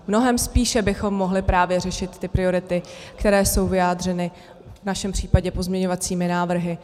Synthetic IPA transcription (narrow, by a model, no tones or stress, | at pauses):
mno̞ɦɛmspiːʃɛbɪxo̞mːo̞ɦlɪpɾaːvjɛr̝ɛʃɪt̪ːɪpɾɪo̞ɾɪt̪ɪkt̪ɛɾɛːso̞wvɪjaːdr̝ɛnɪ | vnaʃɛmpr̥iːpaɟɛpo̞zmɲɛɲo̞vat͡siːmɪnaːvr̩ɦɪ